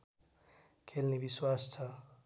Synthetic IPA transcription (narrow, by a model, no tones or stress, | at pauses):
kʰʼelnibiswasa